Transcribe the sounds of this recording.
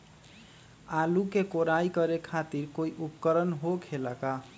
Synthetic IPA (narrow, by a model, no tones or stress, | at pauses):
alukekoɾajkʌɾekʰat̪iɾkoiʔupkʌɾənɦokʰelaka